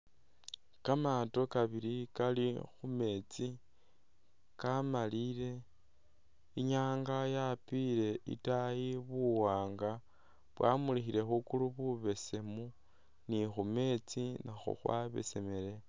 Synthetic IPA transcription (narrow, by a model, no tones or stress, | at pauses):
kamato̞kaβiɾikalixume̞t͡si | kamaliɾe̞ | iɲaːŋɡajapiɾe̞ʔḭtajiβuwaːŋɡa | βwamulixiɾe̞xukuluβuβe̞se̞mu | nixume̞t͡sinaxṵxwa̰βḛse̞me̞le̞